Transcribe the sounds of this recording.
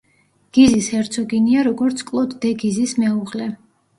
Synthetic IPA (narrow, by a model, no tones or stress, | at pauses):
ɡ̥izishɛɾt̪sʰɔɡiniaɾɔɡɔɾt̪sʰkʼlˠɔd̪ːɛɡizismɛuʁlɛ